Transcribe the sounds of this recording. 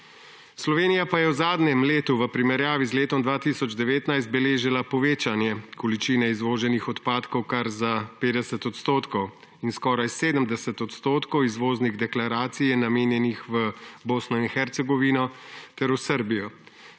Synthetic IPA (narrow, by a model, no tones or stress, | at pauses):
slɔʋeːnijapajɛwzaːd̪nɛmleːt̪uʋəpɾimɛɾjaːʋizleːt̪ɔmd̪ʋaːt̪isɔd͡ʒd̪ɛʋeːt̪najst̪̚bɛleːʒilapɔʋeːt͡ʃanjɛkɔlit͡ʃiːnɛizʋoːʒɛnixɔt̪paːt̪kɔwkaɾzapeːd̪ɛsɛt̪ɔt̪st̪oːt̪kɔw | inskɔːɾajseːd̪əmd̪ɛsɛt̪ɔt̪st̪oːt̪kɔwizʋoːzniɣd̪ɛklaɾaːt̪sijɛnameːnjɛnixʋəboːsnɔinxɛɾt̪sɛɡɔʋinɔt̪ɛɾuwsəɾbijɔ